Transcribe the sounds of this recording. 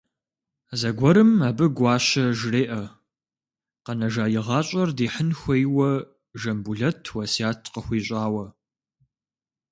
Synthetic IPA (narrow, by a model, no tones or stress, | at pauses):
zɐɡʷɔɾɨmaːbɨɡʷɑːɕɐʒreːʔɐ | qɐnɐʒaːjɪʁɑːɕʼɐrdeːħənxʷɐjwɐ | ʒɐmbuɮɐtʰwɐsjaːtʰqəxʷiːɕʼaːwɐ